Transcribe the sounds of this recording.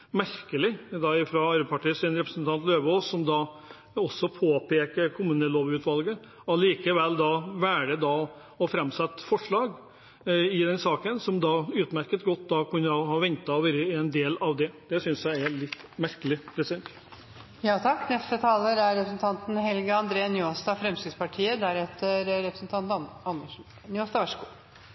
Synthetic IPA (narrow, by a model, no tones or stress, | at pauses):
mæɾkəlɪd̪ɑɪfɾɑɑɾəpʰɑʈiːəsɪnɾɛpɾəsnt̪ʰɑnt̪løːʋəoːsːɔmd̪ɑ | ɔsːɔpʰoːpʰeːkəkʰʊmʉnəloːʋʉːt̪ʋɑlɡə | ɔliːkəʋɛlːd̪ɑʋæːɾəd̪ɑ | ɔfɾɛmsɛt̪ːfɔʂɭɑːɡ | ɪd̪ɛnsɑːkənsɔmd̪ɑʉːt̪mæɾkət̪ɡɔt̪ːd̪ɑkʰʉnːəɑhɑɾʋɛnt̪ɑʋɛɾəɪɛnd̪eːlɑʋd̪ɛd̪̥ɛsʏnsjæɪælɪt̪ːmæɾkəlɪɾɛsɛnt̪ | jɑːt̪ʰɑkːnɛft̪ət̪ʰɑːləɾæɾɾɛpɾsnt̪ʰɑnt̪n̩ɦɛlɡəɑnd̪ɾeːnjost̪ɑfɾɛmsɪd̪spɑʈʰiːəd̪æɾɛt̪əɾɾɛpɾəsnt̪ʰɑnt̪ɑnəʂ | njost̪ɑʋæʂɡuː